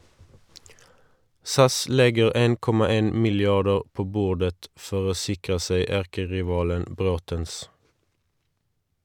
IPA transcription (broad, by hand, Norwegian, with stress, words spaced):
ˈsɑs ˈlɛɡəʁ ˈeːn ˈkɔmɑ ˈeːn mɪlˈjɑdəʁ ˈpoː ˈbuːʁdət ˈfɔʁ ˈoː ˈsɪkʁə ˈseɪ ˈæʁkəʁɪˌʋɑːlən ˈbʁoːtəns